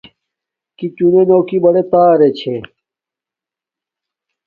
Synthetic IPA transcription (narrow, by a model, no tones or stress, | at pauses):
kit͡ɕunenoːkibɐɽet̪aːɾet͡ɕʰe